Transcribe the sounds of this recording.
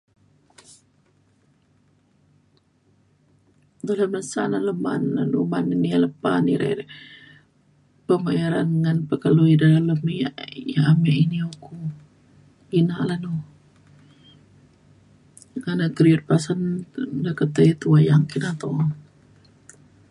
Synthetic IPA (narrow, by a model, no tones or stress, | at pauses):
d̪olamənsanaləma̰nanumaninialəpanḭɾa̰ɾ | pəmajaɾanŋanpəkəluidalaləmiajaamaʔinioku | inaʔlanu | ŋanakɾiut̪̚pasandakət̪əit̪uajaŋkinat̪o